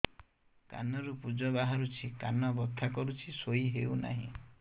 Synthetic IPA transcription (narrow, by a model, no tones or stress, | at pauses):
ka̰nɔɾupud͡ʒɔbaɦaɾut͡ʃʰikanɔbɔt̪ʰːakɔɾut͡ʃʰisoiɦewna̰ɦḭ̃